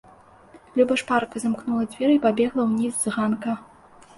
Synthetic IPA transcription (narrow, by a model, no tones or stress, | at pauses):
lʲubɐʂparkɐzamknulˠɐd͡zʲvʲɛɾɨipabʲɛɣlˠɐwnʲizːɣankɐ